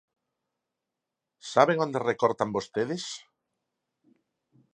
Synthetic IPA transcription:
saβeŋond̪erekoɾt̪ambost̪eðes

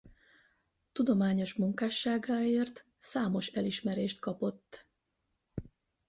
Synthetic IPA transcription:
t̪ud̪o̞maːɲo̞ʃmuŋkaːʃaːɡaːeːrt̪ | saːmo̞ʃɛliʃmɛɾeːʃt̪kɒpo̞t̪ː

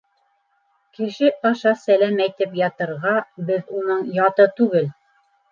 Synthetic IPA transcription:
kɘ̆ʃɘʔɑʃɑsælæmæjt̪ɘpjɑt̪ɤ̆ɾʁɑbɘðunɤɴjɑt̪ɤt̪ʉɡɘl

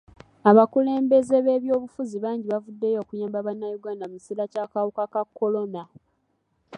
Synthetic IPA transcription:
aβakule̞ːmbe̞ze̞βe̞ːβjo̞ːβufuziβaːɲɟiβavudːe̞jo̞ːkujaːmbaβanːajuɡaːndamusiɾacakawukakakʰːo̞lo̞na

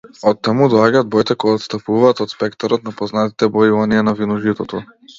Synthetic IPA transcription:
ɔt̪ːamud̪ɔaɟaːd̪̚bɔjt̪ɛkɔɡaɔt̪st̪apuvaːt̪ɔt̪spɛkt̪aɾɔt̪̚napɔznat̪i̥t̪ɛbɔivanianavinɔʒit̪ɔt̪ɔ

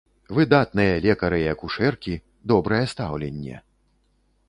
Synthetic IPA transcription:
vɨd̪at̪̚nɨjɐlʲɛkɐɾɨjɐkuʂɛrkʲi | d̪ɔbɾɐjɛst̪awlʲenʲːɛ̰

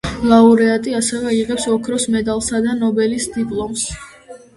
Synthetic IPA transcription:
lˠauɾɛat̪ʼiasɛvɛiʁɛpsɔkʰɾɔsmɛd̪alˠsad̪anɔbɛlisd̪ipʼlˠɔms

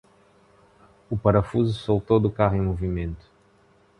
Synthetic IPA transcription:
ʊpaɾɐfuzʊsowt̪owd̪ʊkahʊĩmovimẽnt̪ʊ̥

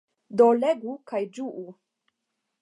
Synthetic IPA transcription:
doleɡukajd͡ʒuʔu

